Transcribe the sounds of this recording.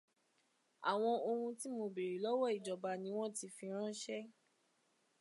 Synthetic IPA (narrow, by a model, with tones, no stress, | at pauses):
a̰˨w̃ɔ̃˧o˧hũ˧ti˦mo˧be˨ɾi˨˦lɔ˦wɔ˦˨i˨d͡ʒɔ˨ba˧nĩ˦w̃ɔ̃˦ti˧fi˧ɾ̃ã˦ʃɛ˦